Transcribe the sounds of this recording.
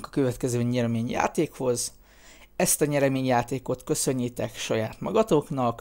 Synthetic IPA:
kɒ̥køvɛt̪kɛzøːɲɛɾɛmeːɲja̰ːt̪eːkho̞z | ɛst̪ɒɲɛɾɛmeːɲjaːt̪eːko̞t̪kø̞sø̞ɲːit̪ɛkʃɒjaːt̪mɒɡɒt̪oːknɒk

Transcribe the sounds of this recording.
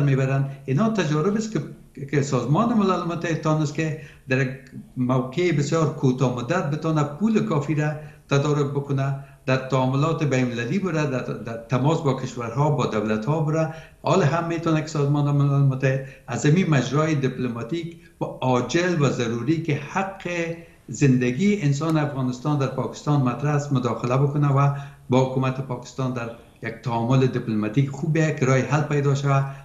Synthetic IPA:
ɾmebaɾaninɔt̪ad͡ʒɔɾɪbɪsk | kɪsɔzmɔnɪmɪlalmʊt̪ːahɪd̪̚t̪ɔnɪst̪kɪd̪aɾakmawqeːbɪsjɔɾkʰot̪ɔmʊd̪at̪̚bɪt̪ɔnapulɪkɔfiɾat̪ad̪ɔɾʊk̚bʊkʊna | d̪̥aɾt̪aɔmʊlɔt̪ɪbajnmɪlalibʊɾad̪ad̪at̪amɔsbɔkɪʃwaɾɦɔbɔd̪awlat̪hɔbʊɾa | ɔlɪɦamːet̪ɔnakɪ̥sɔzmɔnɪmɪlalɪmʊt̪ːahɪd̪̚azamimad͡ʒɾɔɪd̪ɪplomɑt̪ik | waɔd͡ʒɪlwazaɾuɾikɪhaqʰːɪ | zɪnd̪aɡiʔɪns̬ɑnɪafɣɑnɪst̪ɑnd̪aɾpɔkɪ̥st̪ɑnmat̪ɾaasmʊd̪ɔxɪlabʊkʊnawabɔhʊkumat̪ɪpɔkɪ̥st̪ɑnd̪aɾ | jaɡ̚t̪aɔmʊlɪd̪ɪplumat̪ikxubaakɪɾɔjɪɦalpajd̪ɔʃawa

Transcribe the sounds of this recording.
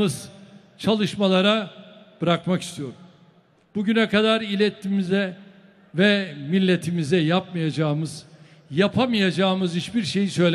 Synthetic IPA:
ɯz̥ | t͡ʃʰalˠɯʃmalˠaɾab̥ɯɾakmaki̥st̪ʰijo̞ɾum | buɟynɛkad̪aɾilʲɛt̪ʰːimizɛ | vɛmilʲːet̪ʰimizɛjap̚mɯjad͡ʒaːmɯz̥ | japʰamɯjad͡ʒaːmɯzhit͡ʃbiɾʃe̞jisø̞jlʲɛ

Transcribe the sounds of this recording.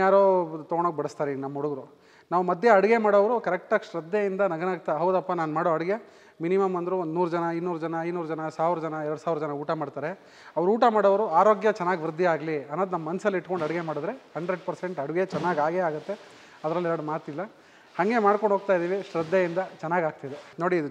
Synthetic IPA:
aːɾoːt̪ɐɡoɳoːɡ̚bɐɽɐst̪aːɾenɐmːɐuɽuɡɐɾu | naːʋumɐd̪ʱjeɐɽuɡe̞maːɽɐʋɐɾukɐɾɛk̚ʈaːɡʂɾɐd̪ːejind̪ɐnɐɡɐnaːɡ̚t̪aɦɐwd̪ɐpːanaːnmaːɽoɐɽiɡe̞ | minimɐmɐnd̪ɾund̪nuːɾud͡ʒɐnɐɐjnuːɾud͡ʒɐnɐɐjnuːɾud͡ʒɐnɐsaːʋɾɐd͡ʒɐnɐɛɾɐɽusaːʋɾɐd͡ʒɐnɐuːʈamaːɽt̪aːɾe̞ | ɐʋɐɾuːʈɐmaːɽɐʋɐɾuaːɾo̞ːɡjɐt͡ʃɛnːaːɡiʋɾud̪ʱːiaːɡliɐnːoːd̪nɐmːɐːɐnɐsɐlːiʈːko̞ɳɖɐɽiɡe̞maːɽud̪ɾe̞hɐɳɖɾeɖ̚pɐɾseɳʈɐɽuɡet͡ʃɛnːaːɡaːɡeaːɡut̪ːe̞ | ɐd̪ɐɾɐlːiɛɾɐɽumaːt̪ilːɐ | hɐŋɡe̞maːɽkoɳɖɦoːɡ̚t̪aːjd̪iːʋiʃɾɐd̪ːejind̪ɐt͡ʃɛnːaːɡaːɡ̚t̪id̪enoːɽid̪u

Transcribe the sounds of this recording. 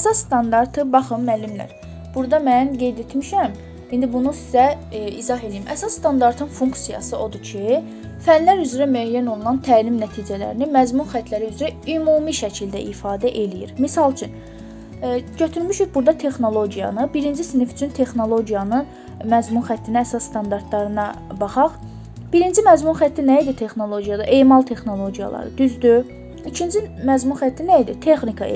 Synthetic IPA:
æsɑsst̪ɑnd̪ɑɾt̪ʰɯbɑχɯmːælːimlæ̰ɾ | b̥uɾd̪ɑmænɡe̞jd̪e̞t̪miʃæm | ind̪ibunusi̥zæ | ḭzɑɦe̞lijimʔæsɑsːt̪ɑnd̪ɑɾt̪ʰɯnfuŋksijɑ̰sɯʔo̞d̪ucʰi | fænlæɾyzɾæmyæjæno̞lˠunɑnt̪ʰæːlimnæt̪ʰiːd͡ʒælæ̰ɾinimæzmunxæt̪ʰlæɾiyzɾæymuːmiʃæcʰild̪æ̰ʔifɑːd̪æʔe̞lijḭɾmisɑlˠt͡ʃʰyn | ɟøt̪ʰyɾmyʃybuɾd̪ɑt̪ʰe̞xno̞lˠo̞ɟijɑ̰nɯbiɾind͡ʒisnify̥t͡ʃʰynt̪ʰe̞xno̞lˠo̞ɟijɑnɯ | mæzmunxæt̪ʰːinææsɑssːt̪ɑnd̪ɑɾt̪lˠɑɾɯnɑ | bɑχɑʁ | b̥iɾind͡ʒimæzmunxæt̪ʰːinæid̪it̪ʰe̞xno̞lˠo̞ɟijɑd̪ɑʔe̞ːmɑlˠt̪ʰe̞xno̞lˠo̞ɟijɑ̰lˠɑ̰ɾɯ̰d̪̥yzd̪y | icʰind͡ʒimæzmunxæt̪ʰːinæid̪it̪ʰexnikʰɑḛ

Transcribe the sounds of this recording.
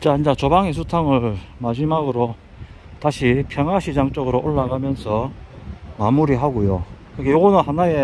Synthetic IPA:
t͡ɕaand͡ʑat͡ɕʌbaŋes̬ʰutʰaŋɯɭmad͡ʑimaɡɯɾo | taɕʰipʰjʌŋɦaɕʰid͡ʑaŋt͡ɕ͈ʌɡɯɾoʔoɭːaɡamjʌnsʰʌ | mamuɾiɦaɡojokɯɡejoɡʌnɯnhanaje̞

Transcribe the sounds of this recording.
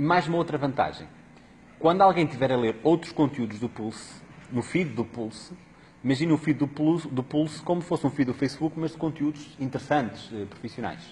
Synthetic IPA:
imajzumɐowt̪ɾɐvɐ̃nt̪a̰ʒɐ̰̃j̃ | kwɐ̃nd̪ualˠɣɐ̃j̃t̪ivɛɾɐlˠeɾowt̪ɾu̥ʃkõnt̪juðuʒðupulˠsnufiððupulˠs | imɐʒinufiððupud̪upulˠskomufosũfiðufɐjsβukmɐʒd̪ɨkõnt̪juðuzĩnt̪ɨɾɨsɐ̃nt̪ʃɛpɾufisjuna̰jʃ

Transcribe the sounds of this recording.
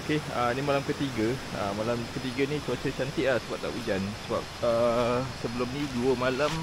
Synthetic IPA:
okeənimalamkət̪iɡəə̰malamkət̪iɡənĩsuat͡ʃət͡ʃant̪iʔlahsəbap̚t̪a̰ʔud͡ʒansəba̰p̚əsəbəlʊmnĩduəmalam

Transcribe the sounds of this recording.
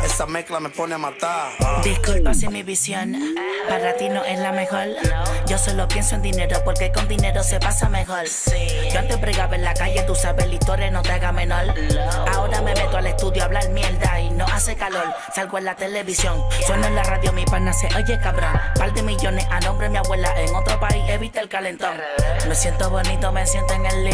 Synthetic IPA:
esameklameponeamat̪aɾd̪iskulpasimiβisjonpaɾat̪ino̞ʔeslamexo̞ɾɟ͡ʝo̞solopje̞nsoend̪ine̞ɾopo̞ɾkeko̞nd̪ine̞ɾose̞pasame̞xoɾ | oant̪empɾeɣaβelakaʝet̪usaβelit̪oɾenot̪eaɣamẽnolaoɾame̞me̞t̪oale̞st̪uðjoaβlalmjeld̪ainoʔasekalol | salɣoelat̪e̞le̞βisjoŋswenoenlaraðjomipanaseʔoʝekaβɾoŋpald̪emiʝoneʔanõmbɾemiaβwe̞laʔeŋo̞t̪ɾopaiseβit̪elkalent̪oŋ | me̞sje̞nt̪oβo̞nit̪omesjent̪oeŋel

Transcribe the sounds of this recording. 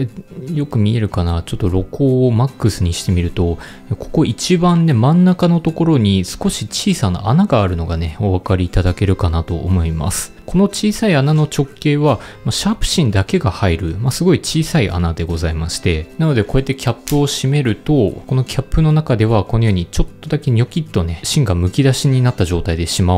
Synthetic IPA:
ejo̞kɯ̟mʲie̞ɾɯ̟kanat͡ɕo̞t̪ːo̞ɾo̞ko̞ːmakːɯ̟sɨɲ̟iɕi̥t̪e̞mʲiɾɯ̟t̪o̞ | ekʰo̞̥ko̞ʔit͡ɕibãnːe̞mãnːakano̞t̪o̞ko̞ɾo̞ɲ̟isɨ̥ko̞ɕit͡ɕiːsana̰anaɡaːɾɯ̟no̞ɡane̞o̞βakaɾʲiːt̪ad̪ake̞ɾɯ̟kanat̪o̞̰ːmo̞ima̰sɨ̥ko̞no̞t͡ɕiːsaianano̞t͡ɕo̞kːe̞ːβa | maɕapɯ̥ɕĩnd̪ake̞ɡahaiɾɯ̟masɨɡo̞it͡ɕiːsaiʔa̰nad̪e̞ɡo̞zaimaɕi̥t̪e̞nano̞d̪e̞ko̞e̞t̪ːe̞kʲapːɯ̟o̞ɕime̞ɾɯ̟t̪o̞ko̞no̞kʲʰapːɯ̟no̞nakad̪e̞βakono̞jo̞ːɲ̟it͡ɕo̞t̪ːo̞d̪ake̞ɲʲo̞kʲit̪ːo̞ne̞ɕĩŋɡamɯ̟kʲid̪aɕiɲ̟inat̪ːaʑo̞ːt̪aid̪e̞ɕima

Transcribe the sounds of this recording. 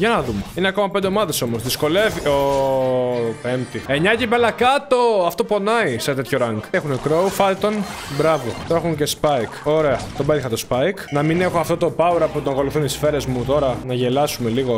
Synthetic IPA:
ʝɐnɐðumeineɐko̞mɐpend̪emɐðeso̞mosðisko̞le̞vio | pe̞mt̪ieɲɐcibelɐkɐt̪o̞ɐft̪o̞po̞nɐiset̪e̞t̪ço̞ɾɐŋɡexunekɾo̞ufɐlt̪o̞nbɾɐvo̞t̪oexuŋce̞spɐikoɾe̞ɐt̪obed̪xɐt̪ospɐjknɐmine̞xo̞ɐft̪o̞t̪obɐuɾɐput̪oko̞luθunt̪isfe̞ɾe̞zmut̪o̞ɾɐnɐʝe̞lɐsume̞liɣo̞

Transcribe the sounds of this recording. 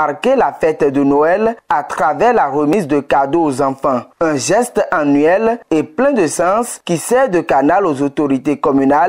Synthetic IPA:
aʁkelafɛt̪d̪ənoɛlat̪χavɛʁlaʁəmizd̪əkad̪oozɑ̃fɑ̃ɛ̃ʒɛst̪anɥɛleplɛ̃d̪əsɑ̃skisɛʁd̪əkanalozot̪oʁit̪ekɔmynal

